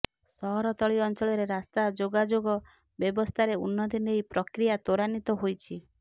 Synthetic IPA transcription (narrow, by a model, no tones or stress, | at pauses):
sɔɦɔɾɔt̪ɔɭiɔnt͡ʃɔɭɔɾeɾast̪ad͡ʒoɡad͡ʒoɡɔ | bjɔbɔst̪ʰaɾeunːɔt̪inejpɾɔkɾijat̪oɾanit̪ɔɦojt͡ʃʰi